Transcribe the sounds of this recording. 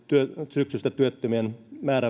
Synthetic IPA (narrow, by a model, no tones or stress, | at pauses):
t̪yøsyksyst̪æt̪yøt̪ːømienmæːɾæ